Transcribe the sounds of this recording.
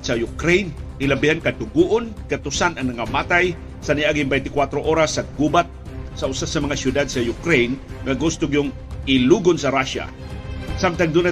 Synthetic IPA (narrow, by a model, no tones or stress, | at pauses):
sajʊkɾejnʔɪlabihankadʊɡuʔʊnkat̪ʊsanaŋmaŋamat̪aj | saniʔaɡɪŋbɛjnt̪ɪkwat̪ɾoʔoɾasːaɡubat̪̚ | saʊsasamɐŋasjʊd̪ad̪̚sajʊkɾejnŋaɡʊst̪ʊɡjʊŋ | ɪluɡʊnsaɾaʃa̰ | samt̪aŋd̪una